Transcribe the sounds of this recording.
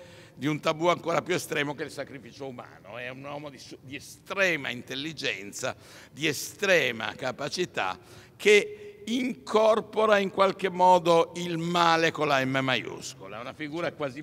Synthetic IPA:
d̪iunt̪abuaŋkoːɾapjuest̪ɾɛːmokelsakɾifiːt͡ʃouma̰ːno̰ɛunwɔːmod̪isud̪iest̪ɾɛːma̰int̪elːid͡ʒɛnt̪sa̰ | d̪iest̪ɾɛːma̰kapat͡ʃit̪a̰ | kʰeiŋkʰɔrpoɾaiŋkwalkemːɔːd̪oilmaːlekolaɛmːemajṵskola̰ɛunafiɡuːɾakwaːzi

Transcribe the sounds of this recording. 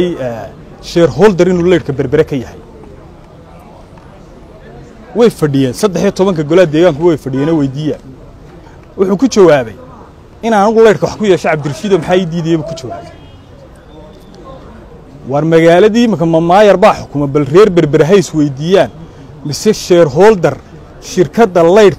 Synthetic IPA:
j | ʃɛːrɦɔːld̪ɐɾɪnuːlɛjɖkʰɐbɐrbɐɾɐkʰɐjɐhɛj | wɛjfɐɖɪjɛːnsɐd̪ːɛħjɐt̪ʰɔβɐŋkʰɐɡɔlaːd̪ɛːɣaːŋkʰʊwɛjfɐɖɪjɛːnɛwɛjd̪iːjaːn | wʊħuːkʰʊt͡ʃɐwaːβɛj | ɪnanʊɣʊlɛjɽkʰɐwɑħkʰʊjɛːʃɛʕɑb̚d̪ɪrʃiːðɔːmɐħaːiːd̪iːðɛjɛβuːkʰʊt͡ʃɐwaːβɛ | wɑːrmɐɣaːlɐðiːjɪmɪkʰɐmɐmaːjɐrbaːħʊkʰʊmɛbɐlrɛːrbɐrbɪɾɐɦɛjswɛjd̪iːjaːn | mɪsɛʃɛːɾɦɔːld̪ɐr | ʃɪrkʰɐd̪ɐlɛjɖk

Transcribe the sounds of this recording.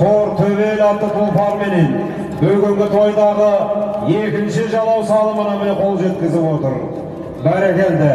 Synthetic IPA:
oɾt̪ʰɵβelɑt̪ːət̪ʰʊlˠpɑnme̞ne̞n | bɵlɡʲeŋɡʲɪt̪ʰo̞jd̪ɑʁəje̞kʲɪnʃɪʒɑlˠɑwsɑlˠəmənɑmeqʰo̞lˠʒe̞t̪̚kʲɪzɪpwo̞t̪əɾ | bæɾekʲe̞nd̪ɪ

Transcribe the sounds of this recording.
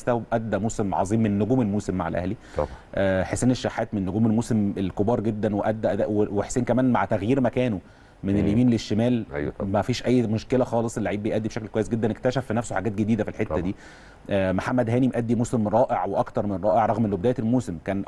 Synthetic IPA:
st̪æwʔæd̪ːæmuːsemʕɑ̰zˤiːmːenːoɡuːmelmuːsemːaʕa̰lʔæ̰hli | ʔæħeseːneʃːaħːæːt̪menːoɡuːmelmuːsemelkobɑːɾˤɡed̪ːænweʔæd̪ːæʔæd̪æweweħseːnkæmæːnmaʕt̪æɣjiːɾmækæːno | meneljæmiːmleʃːemæːlʔæ̰mæfiːʃʔæjːmoʃkelæxɑːlesˤʔelːiʕiːbːejʔæd̪ːibeʃæklkowæjːes̬ɡed̪ːænekt̪æʃæfːinæfsoħaɡæːt̪̚ɡed̪iːd̪æfilħet̪ːæd̪iː | ʔːmoħamːæd̪hæːnimʔæd̪ːimuːsemɾˤɑːʔeʕweʔɑkt̪ɑɾˤmenɾˤɑːʔeʕɾˤɑɣmʔenlːobed̪æːjeelmuːsemkæːn

